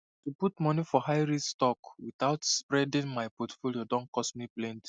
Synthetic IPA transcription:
tuputmɔnifɔhajɹistɔkwit̪aʊtspɹɛdĩŋmajpɔtfoliodɔ̃nkɔsmiplɛ̃nt

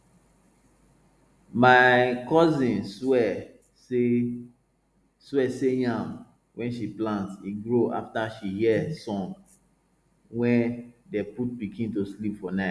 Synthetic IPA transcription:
maɪkɔzĩnswɛ | swɛsejãm | wʔɛ̃nʃiplãntḭɡɹoʔa̰ftaʃihiɛsɔ̃ŋ | wɛ̃ndɛput̚bikʰĩntoslipfɔnaɪt

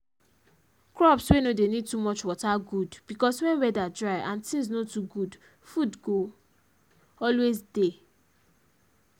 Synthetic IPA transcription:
kɹɔpswenodenid̚tumɔt͡ʃwɔtaɡudb̥ikɔswɛ̃nwɛdadɹaɪʔãntĩŋznotuɡud | fudɡo | ɔlwezde

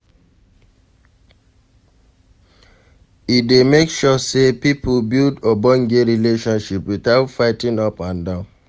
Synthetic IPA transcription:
itdemekʃɔsepipbildɔbɔ̃nɡeɾileʃɔ̃nʃipwiθaʊtfaɪtĩnɔpãndãʊ̃n

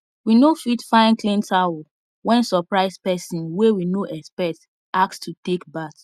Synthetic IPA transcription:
winofitfãɪ̃nklĩntʰaw | wɛ̃nsɔpɹaɪspɛsĩnwewinoʔɛkspɛk̚t | ʔakstʰutekbat

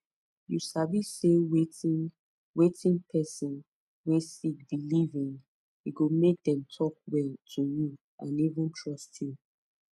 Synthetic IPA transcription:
jusavissewe | wetĩnpʰɛsɔ̃n | wɛ̃sik̚dilivĩŋ | hiɡomek̚dɛ̃mtʰɔk̚wɛltʰuju | ʔã̰nivũntʰɹɔsti

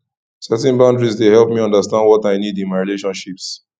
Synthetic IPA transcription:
sɛtɛ̃nbãʊ̃ndɹizdehɛlpmiʌ̃ndəstãndwɔtaɪnidɪ̃nmaɪɹileʃɔ̃nʃips

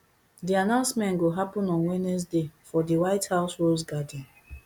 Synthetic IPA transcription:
dianãʊ̃nsmɛ̃nɡoɦapɔ̃nɔ̃nwɛnɛs̬defɔdiwaɪthaʊsholsɡadĩn

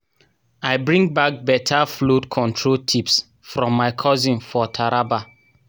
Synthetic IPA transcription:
aɪbɹĩŋɡ̚bak̚bɛtʰaflotkʰɔ̃ntʰɹotʰips | fɹɔ̃mːaɪkʰɔzĩnfɔtʰaɹaba

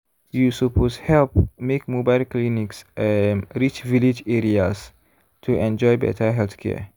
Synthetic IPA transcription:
jusupʰosthɛlpmekmobaɪlkliniks | ɾit͡ʃvilid͡ʒɛɾiaz | tʰuʔɛ̃nd͡ʒɔjbɛ̰tʰəɦɛlθkʰɛ̰

